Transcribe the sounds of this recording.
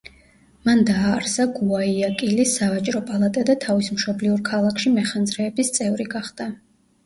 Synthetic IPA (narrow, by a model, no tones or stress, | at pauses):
mand̪aːɾsaɡuaiakʼilisavat͡ʃʼɾɔpʼalˠat̪ʼɛd̪at̪ʰavismʃɔbliuɾkʰalˠakʰʃimɛχand̪zɾɛːbist̪sʼɛvɾiɡaχd̪̥a